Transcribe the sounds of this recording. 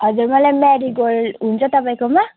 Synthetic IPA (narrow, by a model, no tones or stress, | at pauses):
hɔzuɹmalɛmɛɹiɡolunzɔtapajkɔma